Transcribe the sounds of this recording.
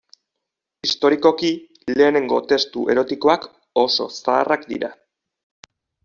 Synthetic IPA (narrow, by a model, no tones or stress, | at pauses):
ist̪o̞ɾiko̞ki | le̞ːne̞ŋɡo̞t̪e̞st̪uʔe̞̰ɾo̞t̪iko̞ak | o̞so̰saːrakd̪ḭɾa